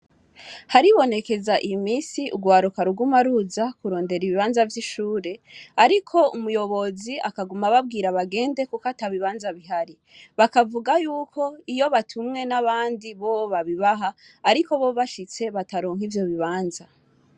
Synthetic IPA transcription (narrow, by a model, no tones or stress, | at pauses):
haɾiβo̞ne̞ke̞zaʔimiːsiʔṵɡwaːɾukaɾuɡumaɾuzakuɾo̞ːnde̞ɾiβiβaːnzavjiʃuːɾe̞aɾikʰo̞umujo̞βo̞ziakaɡumaβab̚ɡiːɾaβaɡe̞ːnde̞kukataβiβaːnzaβiɦaɾi | βakavuɡajuːkʰo̞ijo̞βatʰumŋe̞naβaːndiβooβaβiβaɦaː | ɾiko̞βoβaʃit͡se̞βataɾo̞ːŋ̥ivjo̞βiβaːnza